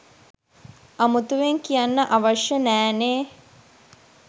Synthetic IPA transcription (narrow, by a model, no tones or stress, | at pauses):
amut̪uʋeŋkijanːəʔaʋaʃjənæːneː